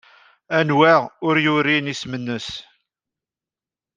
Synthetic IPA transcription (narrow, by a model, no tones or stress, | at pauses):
ænwæʁʊɾjʊɾinismənːəs